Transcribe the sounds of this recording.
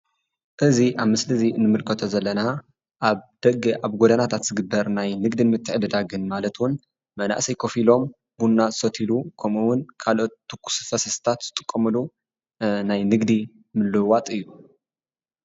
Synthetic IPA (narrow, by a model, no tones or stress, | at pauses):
ʔɨziʔaβmɨslɨziɨnɨmɨlkʰɐt̪ʰozɐlːɐna | ʔaβd̪̥ɐɡʔaβɡod̪anat̪ʰat̪z̥ɨɡɨbːɐɾnajnɨɡd̪imɨt̪ʰːɨʕd̪ɨd̪aɡɨnmalɐt̪ʰwʊn | mɐna̰ʔsɐjkʰofilo̞m | bunːazɨsɐt̪ʰilukʰɐmuwʊnkʰalot̪ːɨkʰːu̥sɨ̥fɐsɐst̪ʰat̪z̥ɨt̪ʼɨkʼːɐmɨlu | najnɨɡd̪i | mɨlːɨwat̪ʼɨjːu